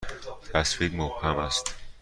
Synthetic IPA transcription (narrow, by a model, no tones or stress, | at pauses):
t̪ʰæsfiɡmobhæmæst̪